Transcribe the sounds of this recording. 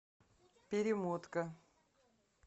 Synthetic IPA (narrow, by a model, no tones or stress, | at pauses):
pʲɪɾʲɪmot̪kə